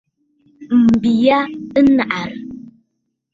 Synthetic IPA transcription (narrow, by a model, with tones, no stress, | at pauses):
m̩˨bi˨ja˦ɨ˦na˨ʔa˨ɾ